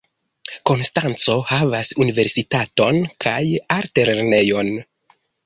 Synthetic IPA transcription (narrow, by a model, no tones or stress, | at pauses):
ko̞nstant͡so̞havasunive̞ɾsitato̞nkʰajaɾte̞ɾene̞jo̞n